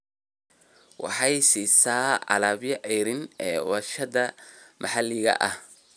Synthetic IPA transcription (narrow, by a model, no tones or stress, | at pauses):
wɑ̰ħɑjsiːsaːʕɑ̰laːbjɐʔɛjɾɪnɛːwɐʃɐðɐmʔɐħɑlːɪɣɐ̰ʔɐh